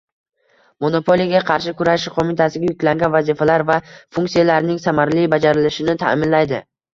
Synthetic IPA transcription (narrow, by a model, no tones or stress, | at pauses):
mo̞no̞pʰo̞lijaɡʲaqʰɑɾʃɪkʊɾaʃɪqʰomɪt̪ʰasɪɡʲajʊkʲlaŋɡʲanvazifalaɾvafuŋk̪sijalaɾnɪŋsamaɾlibad͡ʒaɾɪlɪʃɪnɪt̪ʰa̰mɪnlajd̪ɪ